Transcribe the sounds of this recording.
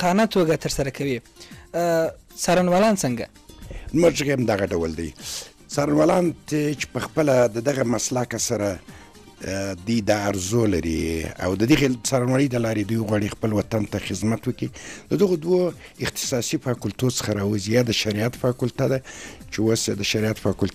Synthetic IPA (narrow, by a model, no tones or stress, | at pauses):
qɑnat̪oɡat̪əɾsaɾakʰawi | sɑɾanwɑlɑnt͡səŋɡa̰ | zməʒɣamd̪aɣaɖawəld̪a̰j | sɑɾanwɑlɑnt̪et͡ʃe̥pəxpəlad̪əd̪aɣamaslakasaɾa | d̪ujd̪ɑːɾzolaɾḭa̰wd̪əd̪əɣesɑɾanwɑləjd̪əlɑɾed̪ujwɣwɑɽixpəlwat̪ant̪axɪzmat̪wəkid̪əd̪əɣod̪wo | ɪqt̪ɪ̥sɑsifɑkʊlt̪ot͡sə̥xaɾɑwəzijɑd̪əʃaɾiat̪fɑkʊlt̪ad̪at͡ʃewosjad̪əʃaɾiat̪fɑkʊlt̪